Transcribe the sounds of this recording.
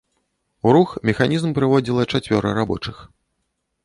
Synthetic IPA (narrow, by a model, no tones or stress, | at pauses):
uɾuxmʲɛxanʲizmpɾɨvɔd͡zʲilˠɐt͡ʂat͡sʲvʲɔɾɐ̰ɾabɔ̰t͡ʂɨx